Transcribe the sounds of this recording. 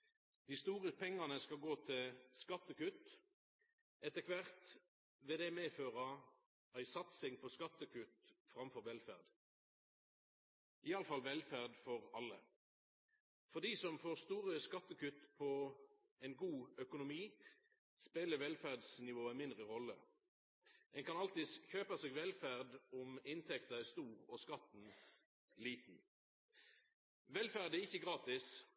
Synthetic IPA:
d̪̥ɪːst̪uːʁəpʰɛŋːɑnəskɑlɡoːt̪ʰɪlskɑt̪ːəkʉt̪ | ʔɛt̪əkʰʋæʁt̪ | ʋɪd̪ɛmeːføːʁə | æɪsɑt̪sɪŋpʰɔskɑt̪ːəkʰʉt̪fʁɑmfɔʁʋɛlfæʁd̪ | ʔɪɑləfɑlʋɛlfæʁd̪fɔʁɑlːə | fɔʁd̪iːsɔmfoːʁst̪uːʁəskɑt̪ːəkʉt̪ːpʰɔ | ɛnɡuːœkʊnʊmiː | speːləʋɛlfæʁd̪snɪʋoːɛnmɪnd̪ʁəʁɔlːə̰ | ɛnkʰɑnɑlt̪ɪsçøːpɑseːɡʋɛlfæʁd̪ʊmɪnt̪ʰɛkt̪əæst̪uːʁɔskɑt̪n̩ | liːt̪n̩ | ʋɛlfæʁd̪æɪçːəɡʁɑːt̪ɪs

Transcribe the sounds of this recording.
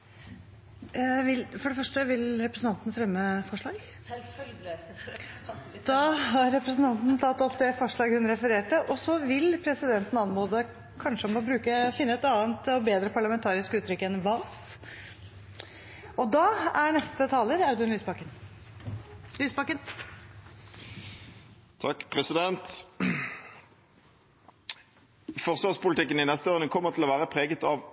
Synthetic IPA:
ʋɪlfɔɖɛfœʂʈəʋɪlɾɛpɾəsn̩ɑnt̪ənəfɾɛmːəfɔʂɭɑːɡ | d̪̥ɑɦɑɾːɛpɾəsn̩t̪ɑnt̪nt̪ʰɑt̪ːɔpːd̪ɛfɔʂɭɑːɡhʉnɾɛfəɾeːʈəʔɔsɔʋɪlpʰɾɛsɪd̪ɛnt̪n̩ɑnmoːd̪ə | kʰɑnʂəɔmɔbɾʉːkəfɪnːəɛt̪ɑːənt̪ɔbeːd̪ɾəpʰɑɭɑmɛnt̪ʰɑːɾɪskʉːt̪ʰːɾʏkːəɛnʋɑːs | ʔɔd̪ɑːæɳɛst̪ət̪ʰɑːləɾɑʉd̪ənlyːsbɑkən | lyːsbɑkən | t̪ʰɑkːpʰʁɛsɪd̪ɛnt̪ | fɔʁsʋɑːʁspʊlt̪ɪkːənɪnɛst̪əoːʁnəkʰɔmːəʁt̪ʰɪlɔʋæːʁəpʰʁeːɡət̪ɑʋ

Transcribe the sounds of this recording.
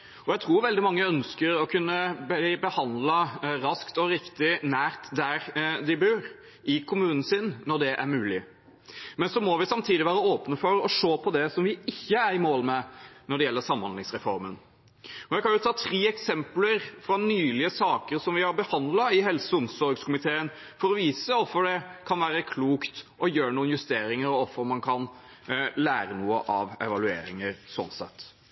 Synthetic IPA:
ɔjæɪt̪ʰɾuːɾʋɛld̪ɪmɑŋːəœnskəɾɔkʰʉnːəb̪ɪbəhɑnd̪lɑɾɑskt̪ɔɾɪkt̪ɪnæːɾt̪d̪æɾd̪ɪbøːɾ | ʔɪkʰʊmʉːnən̩sɪnːɔɖɛʔæ̰ɾmʉːlɪ | mɛnsɔmɔʋɪsɑmt̪ʰiːd̪ɪʋæːɾəoːpnəfɔɾɔʂoːpʰɔd̪ɛsɔmʋɪɪçːəæɾɪmoːlmɛnɔɖɛjɛlːəsɑmːhɑnɪŋsɾɛfɔɾmə̰n | ɔjæɪkʰɑnjʊt̪ʰɑːt̪ʰɾiːɛksɛmpləɾfɾɑnyːlɪəsɑːkəɾsɔmʋɪhɑɾbəhɑnd̪lɑɪɦɛlsəʊmsɔɾɡskʊmɪt̪ʰeːən | fɔɾɔʋiːsəɔfːɔɖɛkʰɑnʋæːɾəkʰluːkt̪ʔɔjøːɳuːənjʉst̪eːɾɪŋəɾɔɔfːɔɾmɑnkʰɑn | læːɾənuːə̰ʔɑʋɛ̰ʋɑlʉḛːɾɪŋəɾsɔ̰nsɛ̰t̪ː

